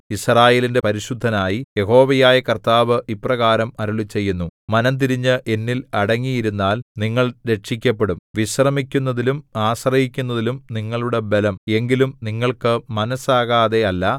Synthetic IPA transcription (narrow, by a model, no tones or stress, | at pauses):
israːje̞ːlinde̞pɐɾiɕud̪ʱːɐnaːjije̞ɦo̞ːʋɐjaːjɐkɐrt̪aːʋɨʔiprɐɣaːɾɐmɐɾuɭit͡ɕːe̞jːunːumɐnɐmt̪̬iɾiɲːɨʔe̞nːilɐɽɐŋːijiɾunːaːlniŋːɐɭɾe̞ʈʂikʲːɐpːe̞ɽumʋiɕrɐmikʲːunːɐðilumaːɕrɐhikʲːunːɐðilumniŋːɐɭuɽe̞be̞lɐme̞ŋɡilumniŋːɐɭkɨmɐnɐsaːɣaːðe̞ɐlːɐ